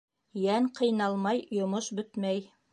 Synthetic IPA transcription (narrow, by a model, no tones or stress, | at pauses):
jæŋqʰɤ̆jnɑlˠmɑjjŏmoʃbɵt̪mæj